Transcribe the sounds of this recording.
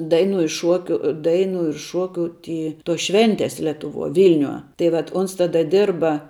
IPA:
ˈdɐɪnʊ ɪ ˈʃuɔkʲʊ ˈdɐɪnʊ ɪr ˈʃoːkʲʊ ˈtʲiː toːs ˈʃʲʋʲɛnʲtʲɛs lʲɛtʊˈʋuɔ ˈʋʲɪlʲnʲuɔ ˈtɐɪ ʋɐt ˈʊns ˈtɑːdɐ ˈdʲɪrbɐ

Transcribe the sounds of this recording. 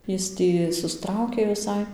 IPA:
ˈjɪs tʲiː sʊˈstrɐʊkʲeː ʋʲɪˈsɐɪ

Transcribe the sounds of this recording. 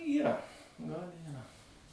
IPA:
iːˈrɐ ɡɐlˠ iːˈrɐ

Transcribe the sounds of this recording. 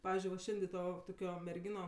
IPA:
ˈpɑːʋʲɪzʲd͡ʒʲʊɪ ʋɐ ˈʃʲɛnʲdʲeː ˈtoː toːˈkʲoː mʲɛrʲˈɡʲiːnoː

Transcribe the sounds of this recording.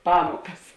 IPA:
ˈpɑːmuɔkɐs

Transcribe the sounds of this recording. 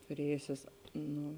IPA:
tʊˈrʲeːjʊsʲeːs ˈnʊ

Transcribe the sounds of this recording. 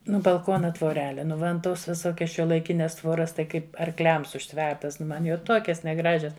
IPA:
ˈnʊ bɐlˠˈkoːnɐ tʋoːˈrʲæːlʲɛ ˈnʊ ˈmɐn ˈtoːs ʋʲɪˈsoːkʲɛs ʃʲuɔlˠɐɪˈkʲɪnʲɛs ˈtʋoːrɐs tɐɪ ˈkɐɪp ɐrˈklʲɛms ʊʃʲˈtʲʋʲɛrtɐs ˈmɐn jɛʊ ˈtoːkʲɛs nʲɛˈɡrɑːʒʲɛs

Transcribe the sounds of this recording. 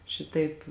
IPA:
ˈʃʲɪtɐɪp

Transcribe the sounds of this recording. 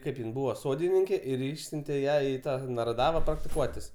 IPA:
ˈkɐɪp jɪn ˈbuːʋɐ ˈsoːdʲɪnʲɪŋʲkʲeː ɪr ˈɪʃʲsʲʊnʲtʲeː ˈjæː ɪ ˈtɑː nɐrɐˈdɑːʋɐ prɐktʲɪˈkuɔtʲɪs

